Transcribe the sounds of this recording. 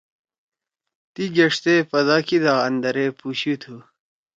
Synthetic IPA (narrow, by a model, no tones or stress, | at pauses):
t̪iɡɐʂt̪epɐd̪ɑːkid̪aːɐnd̪ɐɾepuɕut̪ʰu